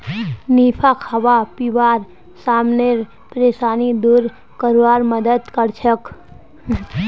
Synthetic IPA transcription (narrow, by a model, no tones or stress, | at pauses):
niːpʰakʰɐʋapiʋaːɾ | saːmneɾ | pɾeːsaːnid̪uɾ | kəɾʋaːɾməd̪əd̪kəɾt͡ʃʰək